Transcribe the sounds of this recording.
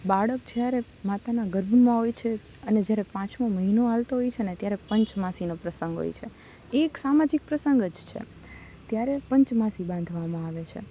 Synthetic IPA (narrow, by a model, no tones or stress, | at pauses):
baɽək̚d͡ʒjaɾe | mat̪anaɡəɾbʱmãɦojt͡ʃʰe | əned͡ʒjaɾepãt͡ʃmãməɦinoalt̪oɦojt͡ʃʰeənet̪jaɾepəɲt͡ʃmasinopɾəsəŋɡɦo̰jt͡ʃʰe | eksamad͡ʒik̚pɾəsəŋɡəd͡ʒt͡ʃʰḛ | t̪jaɾepəɲt͡ʃmasibãnd̪ʱʋamãaʋet͡ʃʰḛ